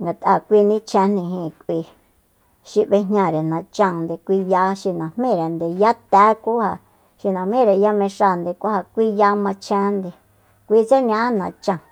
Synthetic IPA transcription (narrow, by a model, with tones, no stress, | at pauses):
ŋɡa˨t̪ʔa˧˨kʷi˧nĩ˦t͡ʃʰɛ̃˧n̥ĩ˧ɦĩ˧˨kʷi˧ | ʃi˧βe˧ɲɲã˧ɾe˨nã˧t͡ʃã˧nd̪e˧kʷi˧ja˧ʃi˧nã˨m̥ẽ˦˨ɾe˨nd̪e˧˨ja˦t̪ɛː˦ku˦ha˧ | ʃi˧nã˨mẽ˦˨ɾe˨ja˦mẽ˧ʃa˧˨nd̪e˧kʷa˦ha˧kʷi˦ja˧mã˧t͡ʃʰɛ̃˧˦nd̪e˧ | kʷi˧t͡se˦ɲã˧˦nã˧t͡ʃã˧˨